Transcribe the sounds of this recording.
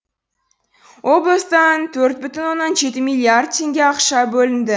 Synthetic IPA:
wʔo̞blˠəst̪ɑnt̪ʰɵɾt̪̚bʏt̪ɪnwo̞nːɑnʒe̞t̪ɪmijlʲˠijard̪̚t̪ʰe̞ŋɡʲeɑqʃɑbɵlɪnd̪ɪ

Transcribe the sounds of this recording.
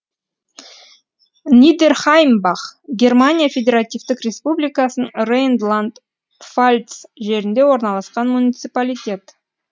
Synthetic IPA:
nid̪erχajmbɑχɡʲe̞rmanʲijafʲedʲe̞ɾat̪ʲijvt̪ɪkrʲe̞spublʲijkasnəŋrejnd̪lˠand̪ | falʲt̪sʒe̞ɾɪnd̪e̞wo̞ɾnɑlˠɑsqɑnmunʲijt̪sɨpalʲijt̪ʲe̞t̪

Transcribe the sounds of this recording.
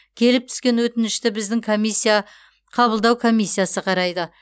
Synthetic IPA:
kʲʰe̞lɪp̚t̪ʰʏ̥skʲe̞nwɵt̪ɪnɪʃt̪ɪbɪzd̪ɪŋkʰo̞mʲijsʲːija | qʰɑbəlˠd̪ɑwkʰo̞mʲijsːijasəqʰɑɾɑjd̪ə

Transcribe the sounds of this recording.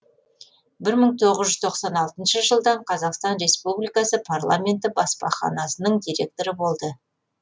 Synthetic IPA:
bɪɾməɴt̪ʰo̞ʁəzʒʏz̥t̪ʰoqsɑnɑlˠt̪ənʃəʒəlˠd̪ɑɴqʰɑzɑqst̪ɑnɾe̞spublijkɑsəpʰarlˠa̰mʲe̞nt̪ɪbɑspɑ̰χɑ̰nɑsənəɴd̪ijɾʲe̞k̚t̪o̞ɾəbo̞lˠd̪ə

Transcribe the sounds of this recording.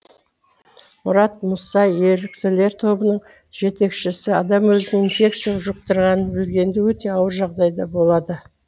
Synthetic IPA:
mʊɾɑt̪̚mʊsɑjeɾɪkt̪ɪle̞ɾt̪ʰo̞bənəɴ | ʒe̞t̪e̞kʃɪsɪɑd̪ɑmwɵzɪnɪinfʲe̞k̚t̪sijaʒʊq̚t̪əɾʁɑnəbʏɾɡʲe̞nd̪ewɵt̪e̞ɑwəɾʒɑʁd̪ɑjd̪ɑbo̞lˠɑd̪ə

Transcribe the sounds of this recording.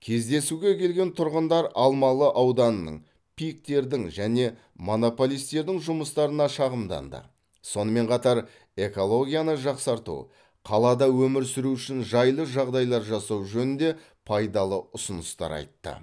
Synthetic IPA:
kʲʰe̞zd̪e̞suɡʲe̞kʲʰe̞lɡʲe̞nt̪ʰʊɾʁənd̪ɑɾɑlˠmɑlˠəʔɑwd̪ɑnənə̰ɴ | pʰʲijk̚t̪e̞ɾd̪ɪŋʒæne̞ | mo̞no̞po̞lˠijst̪e̞ɾd̪ɪŋʒʊməst̪ɑɾənɑʃɑʁəmd̪ɑ̰nd̪ə̰ | so̞nəme̞ɴqʰɑt̪ɑɾ | e̞ko̞lˠo̞ɡʲijanəʒɑqsɑɾt̪ṵ | qʰɑlˠɑd̪ɑwɵmɪɾsɪɾuʏʃɪnʒɑjlˠəʒɑʁd̪ɑjlˠɑɾʒɑsɑwʒɵnɪnd̪e̞ | pʰɑjd̪ɑlˠəʊsənəst̪ɑ̰ɾɑ̰jt̪ːə̰

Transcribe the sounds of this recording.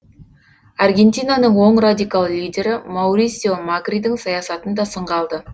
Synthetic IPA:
ɑrɡʲe̞nt̪ʲijnanəɴwo̞ɴrad̪ʲijkalˠlʲijdʲe̞ɾɪmawɾisʲjomaɡrid̪ɪŋsɑjɑsɑt̪ənd̪ɑsəɴʁɑlˠd̪ə

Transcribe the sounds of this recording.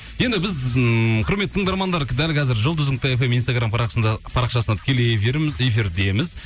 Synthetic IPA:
je̞nd̪ɪbɪzqʰʊɾmet̪ːɪt̪ʰəɴd̪ɑɾmɑnd̪ɑɾd̪ælkʲʰɑzɪɾʒəlˠʊzuk̚t̪əefe̞mijnst̪aɡɾamnɑpʰɑɾɑqʃɑsənɑt̪ʰɪ̥kʲe̞lejefiɾmɪze̞fiɾd̪e̞mɪz

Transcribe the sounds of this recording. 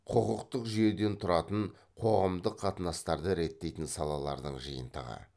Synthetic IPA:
qʰəʁəqt̪əqʒʏje̞d̪e̞nt̪ʰʊɾɑt̪əɴ | qʰo̞ʁəmd̪əqʰːɑt̪ənɑst̪ɑɾd̪əɾe̞t̪ːe̞jt̪ɪnsɑlˠɑlˠɑ̰ɾd̪əɴʒijə̰nt̪ə̰ʁə̰

